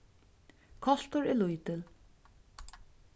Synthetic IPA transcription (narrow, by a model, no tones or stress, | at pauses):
kʰɔɬt̪ʊɹɛlujt̪ɪl